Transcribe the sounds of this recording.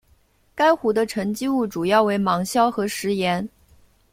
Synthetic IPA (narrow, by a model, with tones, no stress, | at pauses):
ka˥ɪxu˧˥d̪ə˧ʈ͡ʂʰə˧˥ŋt͡ɕi˥u˥˩ʈ͡ʂu˨˩jɑ˥˩ʊwe˧˥ɪmɑ˧˥ŋɕjɑ˥ʊxɤ˧˥ʂɻ̩˧˥jɛ˧˥n